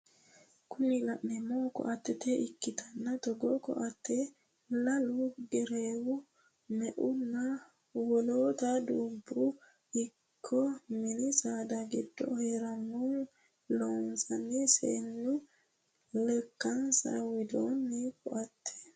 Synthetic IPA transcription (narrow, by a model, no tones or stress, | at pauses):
kʊnilaʔɛmokɔ̰ʔat̪ːɛt̪ɛʔikːɪt̪ʰanːat̪ɔɡɔkɔ̰ʔat̪ʰːɛ | laluɡɛɾewu | mɛʔunːa | wɔloːt̪ad̪ubːu | ikʰːɔminisad̪aɡɛdːɔ̰hɛɾanːun | lonsanːisḛnːu | lɛkːansa̰wid̪oːnːikɔ̰ʔat̪ʰːɛ̥